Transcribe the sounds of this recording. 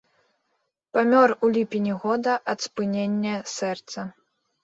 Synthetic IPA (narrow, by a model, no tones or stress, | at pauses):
pamʲɔrulʲipʲinʲiɣɔd̪ɐʔɐt̪spɨnʲenʲːɐsɛrt̪sɐ